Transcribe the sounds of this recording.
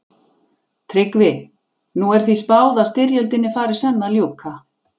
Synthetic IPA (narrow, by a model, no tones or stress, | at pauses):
t̪ʰɾɪkvɪ | nuɛɾ̥θvispaːwðast̪ɪɾjœlt̪ɪnːɪfaːɾɪ̥sɛnːaljowkʰa